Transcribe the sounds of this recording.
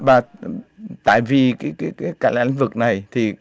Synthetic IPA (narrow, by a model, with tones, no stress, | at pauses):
ɓaː˨˩ | t̪a̰ː˧˨jvi˨˩kaː˨˦jkaː˨˦jkaː˨˦jkaː˦˥la˧ḭ˧˨ŋvɨ˨˩k̚na˨˩jt̪ʰi˨˩